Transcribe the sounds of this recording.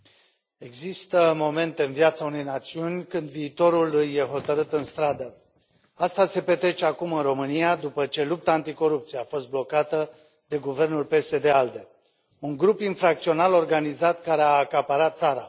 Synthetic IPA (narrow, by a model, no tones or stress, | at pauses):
e̞ɡzist̪əmo̞me̞nt̪e̞ɨnviat̪saune̞jnat̪siunʲkɨnd̪viːt̪o̞ɾulɨjje̞ɦo̞t̪əɾɨt̪ɨnst̪ɾad̪ə | ast̪ase̞pe̞t̪ɾe̞t͡ʃe̞akumɨnro̞mɨnijad̪upət͡ʃe̞lup̚t̪aːnt̪iko̞ɾup̚t̪sieafo̞st̪̚blo̞kat̪ə | d̪e̞ɡuve̞rnulpe̞se̞d̪e̞ald̪e̞ | uŋɡɾupinfɾak̚t̪sio̞nalo̞rɡanizat̪kaɾeaːkapaɾat̪t̪saɾa